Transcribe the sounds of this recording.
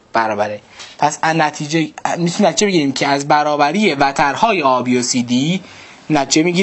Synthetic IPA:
b̥æɾɒːbæɾepʰæsænæt̪ʰid͡ʒemisnæt̪ʰid͡ʒe̞beɡiɾiːmcʰe̞æzbæɾɒːbæɾiːje̞væt̪ʰæɾhɒːje̞ɒːbiosiːd̪iː | næt̪ʰid͡ʒemiːɡiː

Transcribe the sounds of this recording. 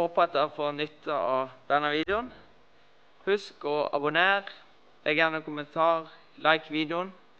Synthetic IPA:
hoːpɑt̪ːəfoːnʏt̪ʰːɑɑb̥ænəʋiːd̪əʊn | hʉskɔɑ̰bʊneːʁ | lɛɡəjæːʁnəkʊmənt̪ʰɑːʁ | lʔɑɪkʋiːd̪əʊn

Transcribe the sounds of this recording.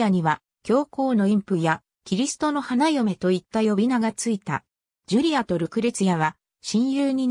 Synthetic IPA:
aɲ̟iβa | kʲo̞ːko̞ːno̞ĩmpɯ̟ja | kʲiɾʲisɨ̥t̪o̞no̞hanajome̞t̪o̞it̪ːajo̞bʲinaɡat͡sɨit̪a̰ | d͡ʑɯɾʲiat̪o̞ɾɯ̟kɯ̟ɾe̞t͡sɨjaβ̞a | ɕĩɰ̃jɯːɲ̟i

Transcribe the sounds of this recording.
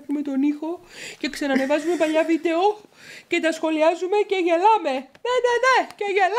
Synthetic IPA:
xume̞t̪o̞nixo̞ce̞ksenɐne̞vɐzume̞pɐʎɐvid̪e̞o̞ce̞t̪ɐsxo̞liɐzume̞ceʝe̞lɐme̞neneneceʝel

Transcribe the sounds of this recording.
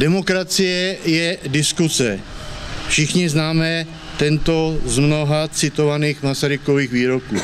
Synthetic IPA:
dɛmo̞kɾat͡sɪjɛjɛdɪskusɛ | fʃɪxɲɪznaːmɛ | t̪ɛnt̪o̞zmno̞ɦat͡sɪt̪o̞vaniːxmasaɾɪko̞viːxviːɾokṵː

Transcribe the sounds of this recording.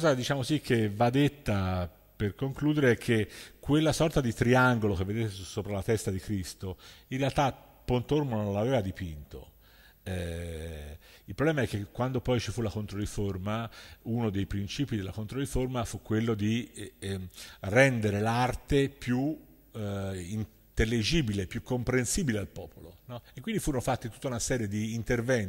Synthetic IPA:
kɔzad̪it͡ʃaːmosikʰːevːad̪ːet̪ːa | perkoŋkluːd̪eɾeɛkʰːekwelːasɔrt̪ad̪it̪ɾiaŋɡolok̟evːed̪eːt̪esoːpɾalat̪ɛst̪ad̪ikɾist̪oinrealt̪a | pːont̪oɾmonõnlaveːvad̪ipint̪o̰ | ɛ | ilpɾoblɛːmaɛkːekːwand̪opɔjt͡ʃifulakont̪ɾoɾiformaunod̪ejpɾint͡ʃiːpid̪elːakont̪ɾoɾiformafukːwelːod̪i | rɛnd̪eɾelart̪epju | in | t̪elːid͡ʒiːbilepjukːompɾensiːbilealpɔːpolonɔekːwind̪ifuːɾonofat̪ːit̪ut̪ːaunasɛːɾjed̪iːnt̪ervɛn

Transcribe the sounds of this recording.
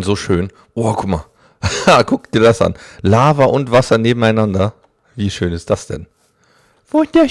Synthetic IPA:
nzoːʃøːn | ʔokʰʊma | aɡʊk̚t̚d̥iːɐdasʔa̰nlaːvɐʔʊntv̥asɐneːbm̩aɪnandɐ | viːʃøːnɪst̚d̥asd̥ɛ̰n | v̥oçd̥eːɐ

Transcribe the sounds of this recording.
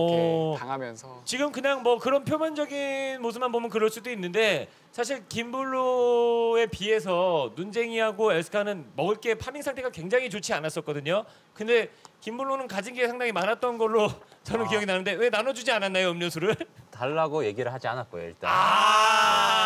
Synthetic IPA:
ʌaamjʌnsʰʌt͡ɕiɡɯmkɯɲaŋmʌkɯɾʌnpʰjomʌnd͡ʑʌɡinmos̬ʰɯp̚mːanpomjʌnk̬ɯɾʌɭs͈udoinːɯnde̞ | sʰaɕ̬ʰiɭkimbuɭːo | e̞pie̞s̬ʰʌnund͡ʑe̞ŋiɦaɡoeɭs͈ʰɯ̥kʰanɯnmʌɡɯɭk͈e̞pʰamiŋsʰaŋtʰe̞ɡakwe̞ŋd͡ʑaŋit͡ɕot͡ɕʰianas͈ʌt̚k͈ʌdɯɲo | kɯnde̞kimbuɭːonɯnkad͡ʑiŋɡiesʰaŋdaŋimanɦat̚t͈ʌnɡʌɭːot͡ɕʌnɯnkijʌɡinanɯnde̞we̞nanʌd͡ʑud͡ʑiananːajoɯmɲʌsʰuɾɯɭtaɭːaɡoje̞ɡiɾɯɭɦad͡ʑia̰nat̚k͈ojo̰ḭɭt͈aa

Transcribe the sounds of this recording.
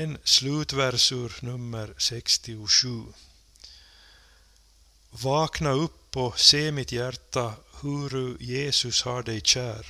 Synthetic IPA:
enslʉːt̪væɾsʉːɾnɵmːəɾsɛkst̪ɪʊʂʉː | vɑːknaɵpːɔseːmɪt̪ʰjæɾt̪ːahɵɾʉjeːsɵshaɖɛjɕæːɾ

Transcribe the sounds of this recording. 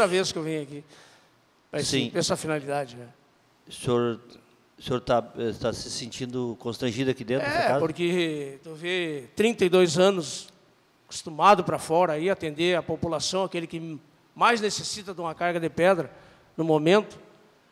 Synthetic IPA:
ɾɐveskewvẽj̃ʊaki | sĩpɛsafinalid̪ad͡ʒɪnɛ | soɾ | ʊseoɾt̪aɛst̪asɪsẽnt͡ʃĩnd̪ʊkõst̪ɾɐ̃ʒid̪ʊakid̪ẽt̪ɾɛkapoɾkɪt̪uvet̪ɾĩnt̪ɐɪd̪ojzɐ̃nʊs | kʊ̥st̪umad̪ʊpɾɐfɔɾɐaiat̪ẽnd̪eɐpopulasɐ̃w̃akelɪkɪ | majznesesit̪ɐd̪ũmɐkaɾɡɐd̪ɪpɛd̪ɾɐ | nʊmomẽnt̪ʊ̥

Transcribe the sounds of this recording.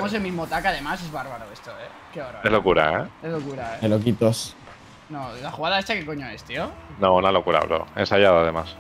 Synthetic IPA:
emos̬elmizmot̪akaðe̞mas̬ezβaɾβaɾoest̪oe | keoɾaezlokuɾa̰ḛezlokuɾaeelokit̪os | nolaxuɣaðaest̪akekoɲoe̞st̪ionõunalokuɾa̰lo̰e̞̰nsaʝaðaðe̞mas

